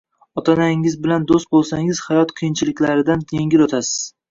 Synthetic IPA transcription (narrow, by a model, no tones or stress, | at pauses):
ɒt̪ʰanaɪŋɪzbɪland̪ost̪̚bolˠsaŋɪz̥hajɒt̪qʰɨjɪnt͡ʃʰɪlɪkʲlaɾɪd̪anʰeŋʲɪlot̪ʰasɪ̥z̥